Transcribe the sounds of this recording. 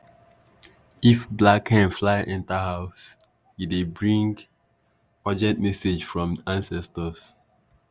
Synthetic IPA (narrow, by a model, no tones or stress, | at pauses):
ifblakhɛ̃nflaɪʔɛ̃ntahaʊs | jidebɹĩŋɡ | pɔd͡ʒɛt̚mɛsed͡ʒfɹɔ̃mãnsɛstəs